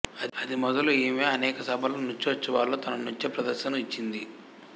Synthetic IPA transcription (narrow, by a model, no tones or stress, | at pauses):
ɐd̪imɔd̪ɐlueːmeːɐnɛːkɐsɐbʱɐloːnuɲt͡ʃːiʋɐt͡ʃːɐʋaːlːoːt̪ɐnɐnuɲt͡ʃepɾɐd̪ɐɾʃɐnuit͡ʃːind̪i